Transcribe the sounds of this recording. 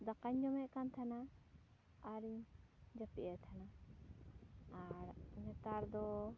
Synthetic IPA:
d̪akaɲd͡ʒɔmɛʔkant̪ʰanaː | ɾiɲd͡ʒapiʔɛt̪ʰana | aɾnɛt̪aɾd̪ɔ

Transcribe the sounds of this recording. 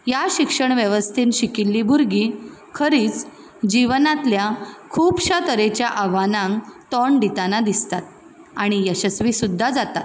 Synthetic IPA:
jaɕikʂəɳʋjeʋəst̪ʰiːnɕikilːiːbʱuɾɡiːkʰəɾiːt͡s | d͡ʑiʋnãt̪ljakʰuːpɕat̪əɾet͡ɕjaʔaʋanãŋt̪ɔɳɖit̪anad̪ist̪at̪̚ | aɽ̃ijəɕəsʋiːsud̪ʱːad͡zat̪at̪

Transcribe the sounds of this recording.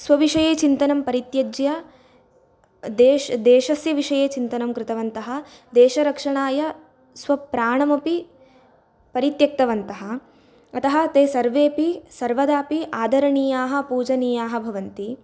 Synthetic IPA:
sʋɐʋiʂɐjeːt͡ʃint̪ɐnɐmpɐɾit̪jɐd͡ʒjɐ | d̪eːʃd̪eːʃɐsjɐʋiʂɐjeːt͡ʃint̪ɐnɐmkɾɪt̪ɐʋɐnt̪ɐɦɐ̆d̪eːʃɐɾɐkʂɐɳaːjɐ | sʋɐpɾaːɳɐmɐpi | pɐɾit̪jɐk̚t̪ɐʋɐnt̪ɐɦɐ̆ | ɐt̪ɐɦɐ̆t̪eːsɐɾʋeːpisɐɾʋɐd̪aːpiʔaːd̪ʱɐɾɐɳiːjaːɦɐ̆puːd͡ʒɐniːjaːɦɐ̆bʱɐʋɐnt̪i

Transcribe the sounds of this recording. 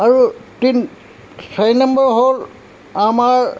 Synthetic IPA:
aɹutin | sʰajnambɔɹɦol | amaɹ

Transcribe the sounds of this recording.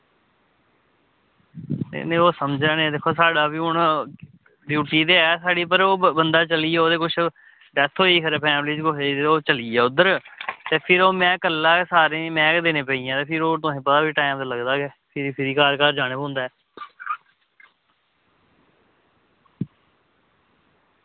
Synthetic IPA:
t̪ḛnẽːoːsəmd͡ʒãːnẽd̪eːkʰːoːsaːɖaːbiːʊɳ | ɖjuːʈiːt̪eːɛːsaːɖiːpəɾoːbənd̪aːt͡ʃəliːɛːoːd̪eːkʊt͡ʃʰ | ɖɛːt̪ʰɦoːiːkʰəɾeːpʰɛːmliːd͡ʒkoɦeeoːt͡ʃəliːɛːʊd̪əɾt̪eːpʰɪɾoːmɛ̃ːkəlːaːsaːɾẽːmɛ̃ːkd̪eːnẽːpəːiːãːt̪eːpʰɪɾoːt̪ʊsẽːpət̪aːʋiːʈaːɪmd̪aːləɡd̪aːɡɛːpʰɪɾiːpʰɪɾiːkaːɾkaːɾd͡ʒaːnəbõːnd̪aːɛː

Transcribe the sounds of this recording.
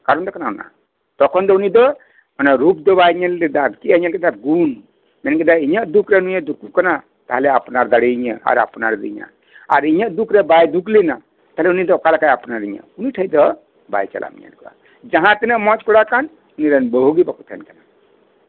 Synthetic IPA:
kaɾɔnd̪ɔkanaɔna̰ | t̪ɔkʰɔnd̪ɔunid̪ɔ | manaɾup̚d̪ɔβajɲalɛd̪akiaɲalkɛd̪aɡun | mɛnkɛd̪aiɲaʔd̪ukʰɾɛnujad̪ukukana | t̪aɦɛlɛapnaɾd̪aɽiiɲəa̰ɾa̰pnaɾd̪ḭɲa̰ | a̰ɾiɲaʔd̪ukʰɾɛbajd̪uklina | t̪aɦelɛunid̪ɔkalakajapnaɾiɲa̰uniʈʰəjd̪ɔ | ba̰jt͡ʃa̰lʔa̰mḭɲa̰nkɔa̰ | d͡ʒaɦãt̪ɛnɛmɔt͡ʃkɔɽakan | uniɾanbəɦuɡibakʰut̪ʰa̰nkana

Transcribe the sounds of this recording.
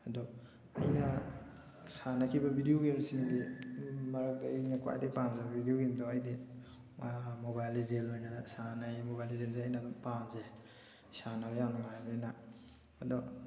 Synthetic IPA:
adɔ | ɐ̰jnɐ | sanakʰibabʱidijoɡiumsiŋdemɐɾak̚dajjnakwa̰jdepamzababʱidijoɡiumdɔajde | mobajlizelojnasanamobajlizelzeajnadɔmpamze | sanabajawnaŋabaninaː | dɔ

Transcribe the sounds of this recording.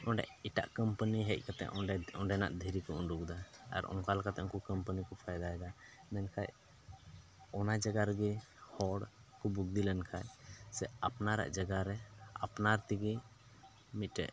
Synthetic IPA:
ɔ̃ɳɖɛ̰ʔiʈa̰ʔkəmpəniɦɛc̚ˀkat̪ɛ̰ʔɔɖɛɔ̃ɖɛna̰ʔd̪ʱɛɾikɔunɖukd̪aa̰ɾɔ̰̃ŋkalkat̪ɛʔɔŋkɔkəmpənikɔpʰajd̪aɦɛd̪a | mɛnkʰaj | ɔnad͡ʒaɡaɾɛɡi | hɔɽkɔbuɡ̚d̪ilɛnkʰajsɛapnaɾa̰ʔd͡ʒaɡaɾɛa̰pnaɾt̪iɡi | mit̪̚ɾɛ̰ʔ

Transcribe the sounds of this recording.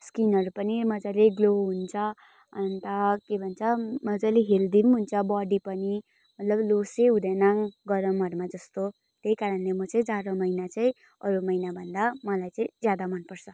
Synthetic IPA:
skinʌɾupʌnimʌd͡zaleɡloɦunt͡sʰʌ | nt̪ʌkebʱʌnt͡sʰʌmʌd͡zaleɦeld̪inɦunt͡sʰʌbʌɽipʌni | mʌt̪lʌbloseɦud̪ʌnaŋɡʌɾʌmʌɾumad͡zʌst̪o | t̪ejkaɾʌnlemʌt͡sʌĩd͡zaɾʌmʌjnat͡saĩ | ʌɾumʌjnabʱʌnd̪amʌlajt͡sʌĩd͡zjad̪amʌnpʌrt͡sʰʌ

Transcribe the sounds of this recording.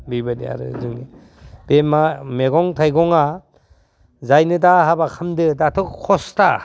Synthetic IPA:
bibadḭa̰ɾɯ̰zɯŋni | b̥emameɡɔŋtʰajɡɔŋa | zajnɯdaɦabakʰamdɯdatʰɔkkʰːɔsta

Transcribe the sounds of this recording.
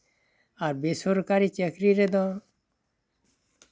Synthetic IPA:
aɾbesoɾkaɾit͡ʃəkɾiɾed̪ɔ̃

